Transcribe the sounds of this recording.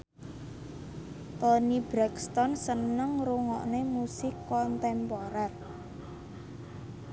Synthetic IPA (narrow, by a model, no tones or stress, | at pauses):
t̪ɔnib̥ɾakst̪ɔnsənəŋruŋɔ̰ʔnemusɪkːɔnt̪ɛmpɔɾɛr